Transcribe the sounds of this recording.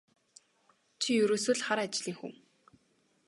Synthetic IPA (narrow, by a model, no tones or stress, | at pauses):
t͡ɕʰijɵɾoːsɵːɮχaɾat͡ɕɮiːŋxṵm